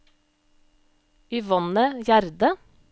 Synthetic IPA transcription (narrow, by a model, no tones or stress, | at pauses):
iːʋɔnəjæɾd̪ə